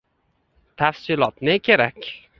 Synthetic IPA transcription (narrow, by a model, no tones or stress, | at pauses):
t̪ʰafsɪlɒt̪nɪkʲʰe̞ɾakʲ